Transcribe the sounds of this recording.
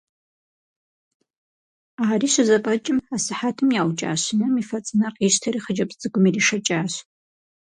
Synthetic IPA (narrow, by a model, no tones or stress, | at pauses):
aːriʃʷazapʼat͡ʃʼɪmasɨħatʰɨmjawt͡ʃʼa̰ːʃʷnɨmifat͡sʼnaqʼiʃtʰariχəd͡ʒapʼd͡zɨɡʷʊmiriʂat͡ʃʼaːʃʷ